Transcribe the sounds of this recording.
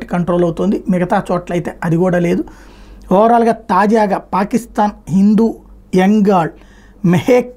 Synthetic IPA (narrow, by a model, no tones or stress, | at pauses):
ʈi̥kɐɳʈɾoːlɐwut̪ond̪imɛɡɐt̪aːt͡ʃɔːʈlɐjt̪e̞ːʔɐd̪ikuːɽaːle̞ːd̪uɔːɾaːlɡaːt̪aːd͡ʒaːɡaːpaːkist̪aːnɦind̪uː | jeŋɡaːɭ | meheːk